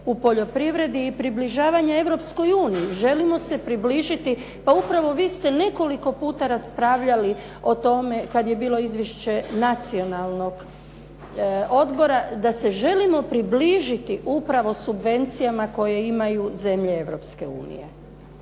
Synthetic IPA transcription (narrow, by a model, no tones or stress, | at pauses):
upo̞ʎo̞pɾiʋɾe̞d̪iːpɾibliʒaːʋaɲae̞ʋɾo̞psko̞juːnijiʒe̞limo̞se̞pɾibliːʒit̪i | paupɾaʋo̞ʋiːst̪e̞ne̞ko̞liko̞puːt̪aɾaspɾaːʋʎali | o̞t̪o̞me̞kad̪je̞biːlˠo̞izʋjeʃt͡ɕe̞nat̪sio̞nalˠno̞ɡ | o̞d̪bo̞ɾad̪ase̞ʒe̞limo̞pɾibliʒit̪iʔupɾaʋo̞subʋe̞nt̪sijamako̞je̞imajuze̞mʎe̞eʋɾo̞pske̞ṵːnḭje̞̰